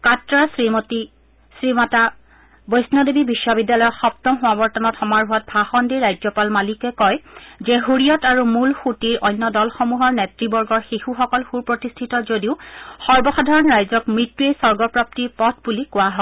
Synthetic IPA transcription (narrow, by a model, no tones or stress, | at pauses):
katɹasimti | sɹimata | bɔjsnɔdebibisːɔbidːjalɔjɔxɔp̚tɔmɦʊwabɔɹtɔnɔtʰxɔmaɹɦʊat̚bʱaxɔndiɹajzɔpalmalikɛkɔjzɛɦuɹijɔtaɹumulxutiɹʔɔjnːɔdɔlxɔmuɦɔɹnɛtɹibɔɹɡɔɹxixuxɔkɔlxuɹpɹɔtistʰitɔzodiʊxɔɹbɔxadʱaɹɔnɹajzɔkmɹitːuejsɔɹɡɔpɹap̚tiɹpɔtʰbulikʊwaɦɔ